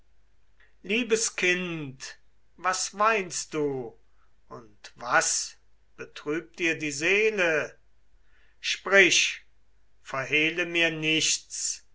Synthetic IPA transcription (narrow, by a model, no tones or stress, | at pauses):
liːbəskʰɪnt | vasvaɪnst̚d̥uː | ʔʊntv̥as | b̥ətʁ̥yːp̚d̥iːɐdiːzeːlə | ʃpʁ̥ɪʃ | fɛɐɦeːləmiːɐnɪʃt͡s